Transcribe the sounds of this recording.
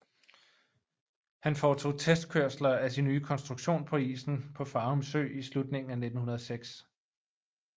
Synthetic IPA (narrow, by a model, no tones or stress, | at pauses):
hænfɒːt͡sʰo̝̰ːt͡sʰesd̥̚kʰøɐ̰slɐæsinːyːkʰɒ̽nsd̥ʁuɡ̥ɕo̝̰ːnpʰɒ̽ḭːsn̩pʰɒ̽fɑ̈ːomsø̰ːislud̥ne̝ŋn̩æne̝d̥n̩hunɐð̞ˠseɡ̥s